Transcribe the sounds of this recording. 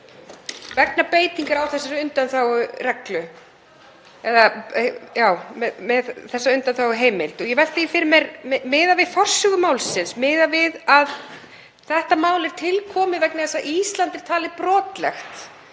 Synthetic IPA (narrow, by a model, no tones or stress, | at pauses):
vɛknapeːjt̪iŋkaɾawθɛsaɾʏnt̪anθawɣʏrɛklʏ | ɛðajaːwmɛðmɛðθɛsːaʏnt̪anθawɣʏɦeːjmelt̪ɔjɛvɛlt̪ifɪɾmɛɾmɪːðavɪðfɔr̥sːʏɣʏmaːwlsɪnsmɪːðavɪðað | θɛht̪amaːwlɛɾ̥t̪ʰɪlkʰɔːmɪvɛknɪθɛsaʔist̪lant̪ɪɾ̥t̪ʰaːlɪpɾɔːt̪lɛ̰xt̪